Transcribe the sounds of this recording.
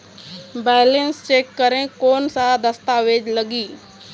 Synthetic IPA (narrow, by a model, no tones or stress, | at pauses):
bɛːɪlenst͡ʃeːkːəɾẽkoːnsad̪ɐst̪aːʋeːd͡ʒləɡiː